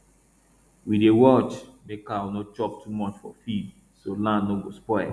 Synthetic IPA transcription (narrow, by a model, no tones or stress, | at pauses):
widewɔt͡ʃmekawnot͡ʃɔp̚tʰumɔt͡ʃfɔ̰fid | solãndnoɡospɔɪ